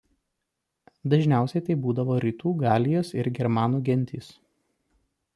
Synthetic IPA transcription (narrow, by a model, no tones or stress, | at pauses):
d̪ɐʒʲnʲæˑʊsʲɛɪt̪ɐɪbuːd̪ɐʋoːɾʲiːt̪uːɡɑːlʲɪjoːsɪɾɡʲɛɾmɑːnuːɡʲɛnʲt̪ʲiːs